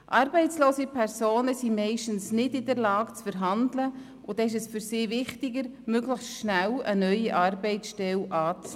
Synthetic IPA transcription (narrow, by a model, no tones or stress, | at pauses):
ʔɑɾbɛɪt͡sloːsipʰɛɾsoːnəsimɛɪʃtən̩snɪdɪdəɾlɑːkt͡sfəɾɦɑndlə | ʊd̥ɛɪʃ̬ɛsfyɾsɪːvɪχtɪɡəɾmøɡləxsʃnælə̰nœʏiʔɑrbɛɪt͡ssʃtɛlʔɑːt͡s